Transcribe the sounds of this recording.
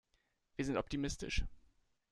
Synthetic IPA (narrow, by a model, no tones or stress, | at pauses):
v̥iːɐzɪntʔɔp̚tʰimɪstɪ̰ʃ